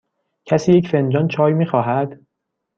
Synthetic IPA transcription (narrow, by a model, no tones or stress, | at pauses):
cʰæsiːjecfend͡ʒɒːnt͡ʃʰɒːjmiːxɒːɦæd̪̥